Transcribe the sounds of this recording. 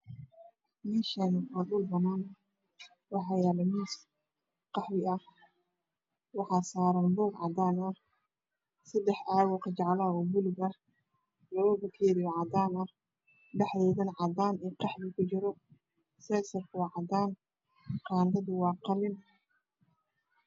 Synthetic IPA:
mɪʃɐnkɐd̪ʊlbɐnaːn | wɑħɑjalɐmis | qɑħwɪɐh | wɑħɑːsaːɾɐmbuːɡʕɑ̰d̪aːnɐh | sɐd̪ɛħʔaːwɔqʰɐd͡ʒɑʕlɐɔbʊlɪɣɐ | lɐβɐbɐkʰjɛðɪjɔʕɑd̪aːnɐh | ɖɛħðɔːðɐnʕɑd̪aːnɛːqɑħbɪkʰʊt͡ʃɪɾɔ | sɛsɐrkʰʊwɑʕɑd̪aːn | qɑːnɖɐðʊwɑːqɑlɪn

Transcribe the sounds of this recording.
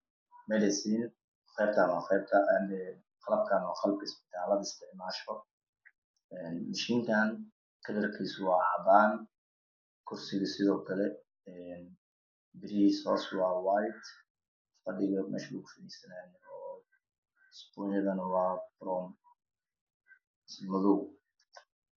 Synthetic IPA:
mɛd̪ɛsiːn | qɛb̚t̪ʰaːnaqɛjb̚k̪ʰɐʔɛmɛ | qɑlɐb̚kʰaːnwɑχɑlb̚kʰɐɪsbɪ̥t̪ʰaːlɐðɐɪst̪ʰɛʕmaːʃɔ | ɛːnmɪʃiːŋkʰaːn | kʰɐd̪ɐrkʰɛjsʊwɑːʕɑbaːn | kʰʊrsɪɣɐsɪðɔːkʰɐlɛ | ɛn | bɪɾisɔːswɑːwajt̪ | fɐɖɪɣɐmɛ̰ːʃʊɡʊfɐðiːsɐnɛːnɔː | spɔnjɐðɐnɐwɑːbɾɔm | smɐluː

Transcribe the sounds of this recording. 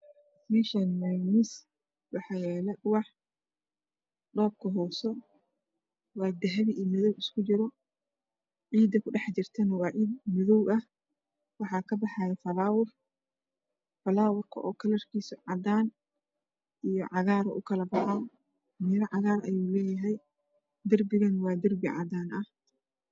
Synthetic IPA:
miʃɐnmajnɪs | wɑħɑjɛːlɛʊwɑħ | ɖɔːb̚kʰɐɦɔːsɔ | wɑːd̪ɐɦɐβiʔːmɪðɔwɪskʰʊt͡ʃɪɾɔ | ʕiːd̪ɐkʰʊɖɑħt͡ʃɪrt̪ʰɛnɐwɑːʕiːd̪mɪðɔwʔɐh | wɑħɑːkʰɐbɑħɑːjɛfɐlaːwʊr | fɐlaːwʊrkʰɐ̰ʔɔːkʰɐlɐrkʰiːsɐʕɑd̪aːn | ʔijɞʕɑɣaːɾɔʔʊ̰kʰɐlɐbɑʕa | mɪlɐʕɑɣaːrʔɐ̰juːlɛːjɐɦɛj | d̪ɐrbɪɣɐnwɑːd̪ɐrbɪʕɑ̰d̪aːnʔɐh

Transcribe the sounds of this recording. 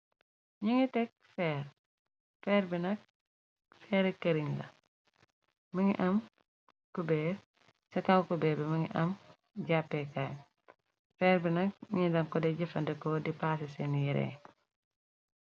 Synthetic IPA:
ɲiŋitɛk̚fɛːɾ | fɛːɾbinɐk̚ | fɛːɾɛkɐɾiɲlɐ̰ | mɐŋḭʔɐm | kubɛː | sɐkɐwkubɛːbɛmɐŋiʔɐm | ɟapːɛkaj | fɛːɾbinɐk̚ɲiɲidɐŋkɔdɛɟɐfɐndɛkɔdipaːsɛsɛnijiɾɛ̰

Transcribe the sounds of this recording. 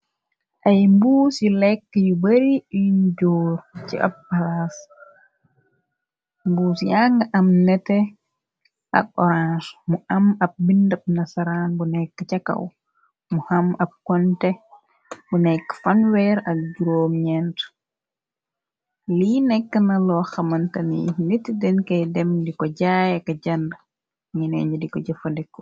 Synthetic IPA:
ʔajmbuːsilɛkːjubaɾiind͡ʒɔːɾt͡ʃɛ̰ʔa̰bpalas | mbuːsijaŋɡaʔamnɛtɛ | ʔa̰ɓɔɾansmuʔamab̚bindab̚nasaɾanbɔnɛkːat͡ʃaka̰w | muhamab̚kɔntɛ | bunɛkːfanwɛɾɐk̚ɟuɾoːmɲɛnt | linɛkːənalɔːxamantanḭnetːidɛnkɐjdɛmdikɔɟajɛkaɟanda | ɲinɛ̰ɲd͡ʒudikɔɟafadɛkːɔ̥

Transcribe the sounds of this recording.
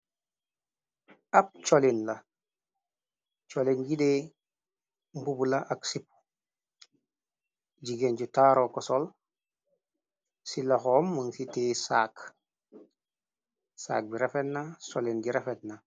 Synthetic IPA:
ap̚t͡ʃolinla | t͡ʃolinɡiɗe | mbubulaʔaksipu̥ | ɟiɡenɟutaːɾokɔsol | silaxomːəŋsitesa̰ːk | sa̰ːk̚biɾefetnasolinɟiɾefetna

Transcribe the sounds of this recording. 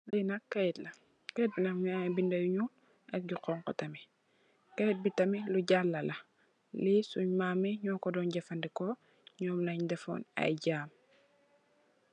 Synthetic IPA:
lɐjnɐkːɛjtlɐ | kɛt̚bilɐŋɲajbindɐjuɲuːl | ʔɐk̚ɟuqɔːŋkɔ̰tɐmɛ | kɛt̚bitɐmiluɟalːɐlɐ | lisuɲmaːmɛɲɔːkɔdɔːnɟɐfɐndɛkɔ | ɲɔːmlɐɲdɛfɔ̰nɐ̰jɟaːm

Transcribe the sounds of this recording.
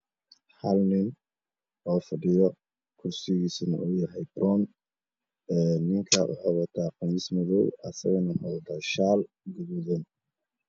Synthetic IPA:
ħɐlnɪn | ɔːfɐɖɪjɔ | kʰʊrsɪɣiːsʊnɐ̰ʔujɐɦɛjbrɔn | ɛːnɪŋkʰɐʔʊ̰ħɔβɐt̪ʰaːqɑmismɐðɔwɐ̰sɐɣɐnɐhɔðɐt̪ʰɐːʃaːl | ɡʊðuðɐn

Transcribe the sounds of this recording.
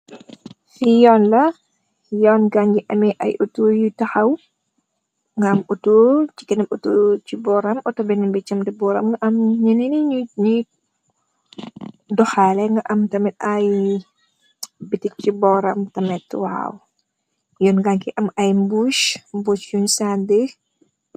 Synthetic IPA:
fijɔːnlɐ | jɔːnɡaɲɡiʔɐmɛʔɐ̰jʔutujutɐxɐw | ŋɡɐɐmutuːt͡ʃi̥kɛnɐmutut͡ʃibɔɾɐmɔtɔbɛnɛmbɛt͡ʃɐmdɛbɔɾɐmŋɡɐʔɐmɲɐniniɲu | dɔxaːlɛŋɡɐʔɐmtɐmɛt̚ɐj | bitik̚t͡ʃibɔɾɐmtɐmɛtːwa̰w | jɔːnɡaŋkiʔɐmɐjmbuʃmbut͡ʃjuɲsande

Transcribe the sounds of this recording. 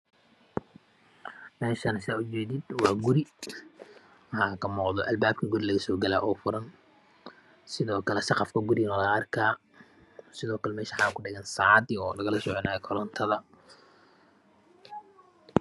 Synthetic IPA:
mɛːʃɐnɐsɪaːʊt͡ʃɛːðɪd̪wɑːɡʊɾɪ | ɐhaːkʰɐmɔːqðɔʔɐlbaːb̚kʰɐɡʊɾɪlɐɣɐsɔːɡɐla̰ːʔɔːfʊɾɐn | sɪðɔːkʰɐlɛsɑqɑfkʰɐɡʊɾɪnɔlɐɐrkʰaː | sɪðɔːkʰɐlɛmɛːʃaħɑːkʰʊɖɪɣɐnsaːʕd̪iɔːlɐɣɐlɐsɔʕɔnaːɛkʰɔɾɔnt̪ʰɐðɐ

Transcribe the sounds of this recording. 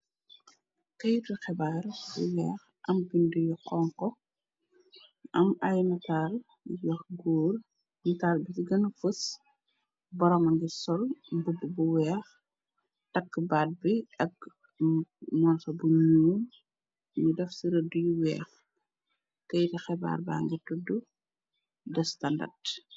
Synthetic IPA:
kɐjtixɛbaːrbṵwɛːx | ʔɐmbindəjuqɔŋkɔ | ɐmajnɐtaːl | jɔxɡuːr | nɐtaːlbisiɡɐnɐfəs | bɔɾɔmɐŋɡisɔlbubbuwɛːx | tɐkːbaːt̚biɐk̚ | mɔːnsɔbuɲuː | ɲidɐfsiɾədujuwɛ̰ːx | kɛjtɐxɛba̰ːrba̰ːŋɡitudːu | dɛstɐndɐ̰rt

